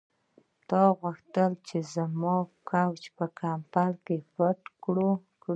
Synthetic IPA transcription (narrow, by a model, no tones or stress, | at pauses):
t̪ɑɣuxt̪əlt͡ʃezmɑkawt͡ʃpəkʰampalkepəʈkɽu | k